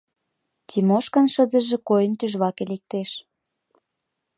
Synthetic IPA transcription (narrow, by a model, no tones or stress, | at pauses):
t̪ʲimoʃkə̆nʃə̆d̪ə̆ʒĕkojənt̪yʒβɑkelek̚t̪eʃ